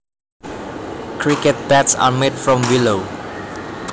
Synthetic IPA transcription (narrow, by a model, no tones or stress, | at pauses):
kʰɾiket̚bætsa̰meɖfɹɔ̃mbiloʊ